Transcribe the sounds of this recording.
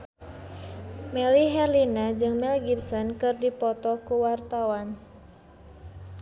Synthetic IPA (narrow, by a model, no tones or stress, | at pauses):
mɛliɦɛrlinad͡ʒɨŋmɛlɡipsɔnkɨrdipɔt̪ɔkuwart̪awan